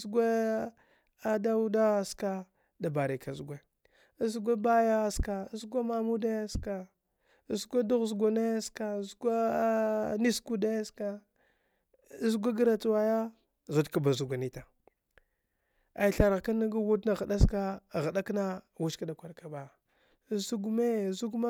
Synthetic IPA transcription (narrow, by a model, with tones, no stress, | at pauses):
zɡʷe˦ | a˦da˦u˦da˦ska˦ | da˨ba˨ɾi˨ka˨zu˨ɡʷe˨˦ | zu˨˦ɡʷe˦ba˦ja˦ska˨˦zɡʷa˦ma˨mu˦de˦ska˨ | zɡʷe˦du˦ɣzɡa˨ne˦ska˨zɡʷe˦ | ni˦sku˦de˦ska˨˦ | zu˦ɡʷa˦ɡə˦ɾa˨tu˦wa˨ja˦ | zu˨dka˦˨ba˨zu˨ɡʷa˨ni˨ta˨ | a˨i˨ɬa˨ɾɣka˦na˦ɡa˦wu˦dna˦˨ɣa˨da˦ska˦˨ɣa˨ɗa˦kna˦˨wu˦t͡ʃka˦da˨kʷa˨ɾka˨ba˨ | zu˦ɡme˦˨zu˦ɡma˦